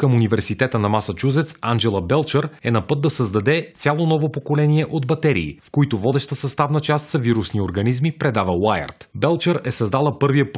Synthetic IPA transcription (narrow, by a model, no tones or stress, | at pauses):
kəmunivɛɾsit̪ɛt̪ənɐmasɐt͡ʃuzɛt̪sand͡ʒɛlˠəbɛlˠt͡ʃəɾɛnɐpɤd̪d̪ɐsəzd̪ɐd̪ɛtt̪sʲalˠonɔvopokolɛniɛʔod̪bɐt̪ɛɾḭːfkoit̪ʊvɔd̪ɛʃt̪əsɐst̪avnət͡ʃast̪sɐviɾusnioɾɡɐnizmipɾɛd̪avəwajə̰ɾt̪bɛlˠt͡ʃəɾɛsɐzd̪alˠəpɤɾviəp